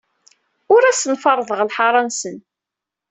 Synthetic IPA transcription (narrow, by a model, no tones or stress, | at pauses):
ʊɾæsənfɑɾˤðˤəʁlħɑɾˤɑnsən